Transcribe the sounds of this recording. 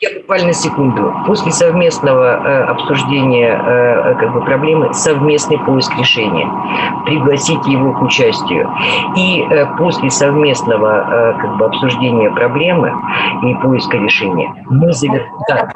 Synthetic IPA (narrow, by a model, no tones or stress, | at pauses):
jabʊkvalʲnəsʲɪkund̪ʊpo̞sʲlʲɪsɐvmʲe̞snəvəɐpsʊʐdʲenʲɪjə̰kaɡ̚bɨpɾɐblʲe̞mɨsɐvmʲe̞snɨjpo̞ɪskɾʲɪʂɛnʲɪ̰jə̰ | pɾʲɪɡlˠɐsʲitʲjɪvo̞kʊt͡ɕæsʲtʲɪjʊ̰iəpo̞sʲlʲɪsɐvmʲe̞snəvəkaɡ̚bɨɐpsʊʐdʲenʲɪjəpɾɐblʲe̞mɨ̰ipo̞ɪskəɾʲɪʂɛnʲɪ̰jə̰ | mɨzəvʲɪrd̪a